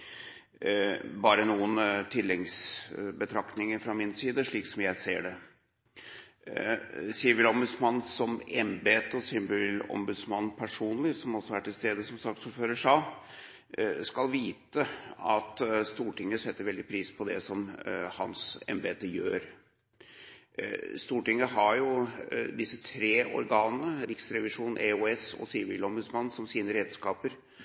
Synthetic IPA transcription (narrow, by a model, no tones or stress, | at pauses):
bɑːɾənuːənt̪ʰɪlːɛŋsbət̪ʰɾɑkt̪nɪŋəɾfɾɑmɪnsiːd̪əʂɭiːksɔmjæɪsḛːɖɛ | siːəʋɪlɔmbʉd̪smɑnːsɔmɛmbeːt̪əɔsʏmbʉːlɔ̰mbʉd̪smɑnːpʰæʂuːnlɪsɔmɔsːɔæʈːɪlst̪eːd̪əsɔmsɑksuːɾføːɾəʂɑ | skɑlʋiːt̪əɑt̪st̪uːʈɪŋːəsɛt̪ːəɾʋɛld̪ɪpʰɾiːspʰɔd̪ɛsɔmhɑ̰nsɛ̰mbeːt̪əjø̰ːɾ | st̪uːʈɪŋːəɦɑɾjʊd̪ɪsːət̪ʰɾeːʔɔ̰ɾɡɑːnnəɾɪksɾɛʋɪʂuːnn̩ʔɛuɛsɔ̰sibɪlɔmbʉd̪smɑnːsɔmsiːnəɾeːd̪skɑːpəɾ